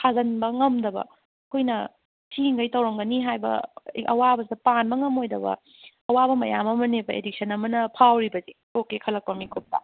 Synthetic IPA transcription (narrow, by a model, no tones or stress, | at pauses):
kʰazɐnbɐŋɐmdɐbɐ̰ | kʰojnɐ | tʰiŋɡɐjtɐwɾɐŋɡɐniɦajbɐ̰ʔɐ̰wabɐsdɐpanbɐŋɐmojdɐbɐ̰ | ɐwabɐmɐjamɐmɐnebɐḛdik̚sʰɐnɐmɐnɐpʰawɾibɐzi | okekʰɐlɐk̚pɐmikʰop̚ta̰